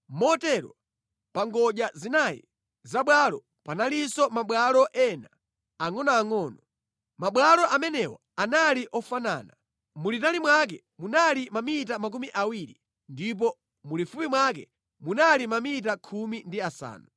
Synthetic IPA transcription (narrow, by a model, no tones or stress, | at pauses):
mɔtɛɾɔ̰ | paŋɡɔʄazinajḭ | zaɓwalɔ | panalisɔmaɓwalɔʔɛnaː | ŋɔnɔːŋɔːnɔ | maɓwalɔʔamɛnɛwɔ̰ | analiʔɔfana̰ːna | mulitalimwak̬ɛ | munalimamitamak̬umiʔawiɾi | ndip̬ɔ | mulifupimwakɛ̰ | munalimamit̬akʰumindiasa̰ːnu